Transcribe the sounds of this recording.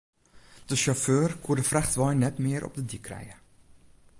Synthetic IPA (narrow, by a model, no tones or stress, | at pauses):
d̥əʃaføːrkʰuːdəfraχtʋɑjnɛtmɪəɾʔɔ̰p̚dədikrɛ̰jə